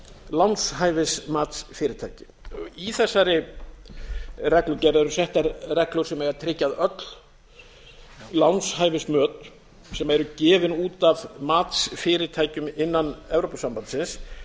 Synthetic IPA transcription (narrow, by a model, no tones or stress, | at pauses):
lawnshaːjvɪsmaːt̪sfɪːɾɪɾt̪ʰaːjcɪ̥ | iθɛsːaɾɪ | rɛhklʏɾcɛɾðɛɾʏsɛht̪aɾrɛhklʏɾ̥sɛmɛɾat̪ʰɾɪcːaðœt̪l̥ | lawnshaːjvɪsmœːt̪ | sɛmaɛɾʏcɛːvɪnuːt̪avmaːt̪sfɪːɾɪt̪ʰaːjcʏmɪnːanɛvɾopasampant̪sɪns